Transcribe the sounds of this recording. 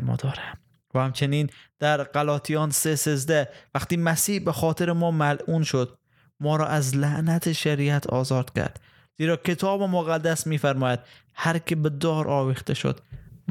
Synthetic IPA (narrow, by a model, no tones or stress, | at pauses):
mɒ̰ːd̪ɒːɾæm | væhæmt͡ʃʰeniːnd̪̥æɾɢælɒːt̪ʰijɒːnsesezd̪ævæqt̪iːmæsiːhbexɒːt̪ʰeɾemɒːmælʔuːnʃod̪ | mɒːɾɒːʔæzlæʔnæt̪ʰeʃæɾiæt̪ʰɒ̰ːzɒːd̪̥kʲʰæ̰ɾd̪̥ | z̥iːɾɒːkʲʰet̪ʰɒːbemoɣæd̪ːæsmiːfæɾmɒːjæd̪̥̚hæɾkʰʲebed̪ɒːɾʔɒːvixt̪eʃo̰d̪̥